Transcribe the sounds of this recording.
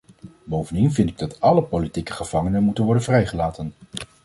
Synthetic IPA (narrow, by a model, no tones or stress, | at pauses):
bowvəndinvɪntɪɡ̚dɑtɑləpolitikə̥χəv̥ɑŋənənmutənʋɔɹdənvrɛjχəlaːtən